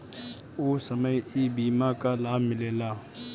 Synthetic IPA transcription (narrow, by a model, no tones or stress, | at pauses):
oːsəməjibiːmakalaːbʱmɪleːlaː